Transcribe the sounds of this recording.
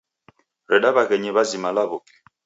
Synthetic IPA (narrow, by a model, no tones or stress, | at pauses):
ɾɛɗaβaɣɛɲɛβazimalaβok